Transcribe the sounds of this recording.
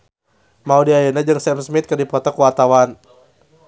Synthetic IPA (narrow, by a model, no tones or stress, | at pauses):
maudiajənad͡ʒɨŋsɛmsmit̪̚kərdipɔt̪ɔkuwat̪awan